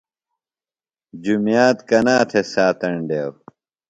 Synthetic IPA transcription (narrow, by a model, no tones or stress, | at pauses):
d͡ʑumjaːt̪kɐnaːt̪ʰesaːt̪ɐɳɖeːw